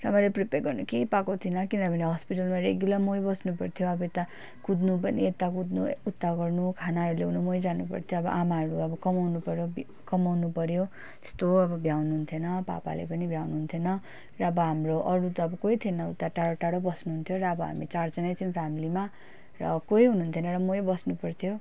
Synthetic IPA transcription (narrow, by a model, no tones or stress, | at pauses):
rʌɦamʌjlepriperɡʌrnukejpakot̪ʰinʌkind̪ʌbʱʌneɦʌspiʈʌlmaɾeɡjulamojbʌsnupʌrt̪ʰjoʌbʌet̪a | kud̪nupʌniet̪ːakud̪nuut̪ːaɡʌrnukʰanaʌɾuleunumojd͡zanupʌ̰rt̪ʰjoʌbʌ̰ʔamaɦʌɾuʌbʌkʌmawnupʌɾjob | kʌmawnupʌɾjo | t̪e̥st̪oʌbʌbʱjawnuɦunt̪ʰjenʌpa̰pa̰lḛpʌnibʱjawnuɦunt̪ʰenʌ | rʌʌbʌɦamroʔʌɾut̪ʌːbʌkoit̪ʰienʌut̪ːaʈaɽoʈaɽobʌsnuɦunt̪ʰjoɾʌːbʌɦa̰mit͡sard͡zʌnajt͡sinpʰjamilima | rʌkoiɦunuunt̪ʰenʌɾʌmojbʌsnupʌrt̪ʰjo